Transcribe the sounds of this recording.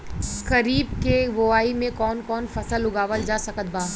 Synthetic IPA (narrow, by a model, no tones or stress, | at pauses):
kɐɾiːb̚keʋoːaːimẽkɔːnkɔːnfɐsəlʊɡaːʋəld͡ʒaːsɐkət̪̚baː